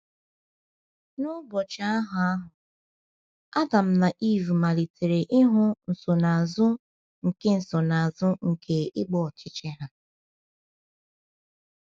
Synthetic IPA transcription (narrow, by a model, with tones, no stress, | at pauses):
nʊ˦bɔ˨t͡ʃa˦a˦ɦʊ˨a˦ɦʊ˨ | a˦da˨m̩˦na˨ʔi˦˨ɾu˨ma˨li˨tʰe˨ɾe˨ʔɪ˦ɦʊ˦n̩˨so˨na˨a˨zʊ˦ | ŋ̩˨ke˦n̩˨sɔ˨na˨a˨zʊ˦ŋ̩˨kʰe˦ɪ˦ɡ͡bɔ˦ɔ˨t͡ʃɪ˦t͡ʃe˦ɦa˦